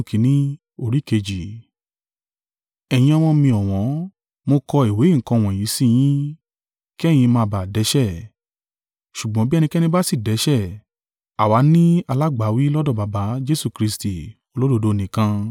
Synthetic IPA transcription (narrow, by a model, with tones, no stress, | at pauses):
kʰĩ˨˦nĩ˦ | o˧˨ɾi˦ke˧d͡ʒi˨ | ɛ˧˨j̃ĩ˧a˧w̃ɔ̃˧mĩ˧ɔ˨w̃ɔ̃˨˦ | mo˧kɔ˧i˨we˨˦ŋ̩˨kɔ̃˧˨w̃ɔ̃˨jĩ˨˦sĩ˦˧j̃ĩ˦ | ki˦ɛ˦˨j̃ĩ˧mãː˧ba˨dɛ˨˦ʃɛ˦˨ | ʃu˨ɡ͡bɔ̃˨˦bi˦ɛ˧nĩ˧kɛ˦nĩ˧ba˦si˦˨dɛ˨˦ʃɛ˦˨ | a˨wa˨˦nĩ˦a˧la˦ɡ͡ba˨˦wi˦lɔ˦dɔ˦˨ba˨˦ba˨˦d͡ʒe˦su˧˨kɾi˧sti˨ | o˧lo˦do˧do˨˦˨nĩ˨kã˧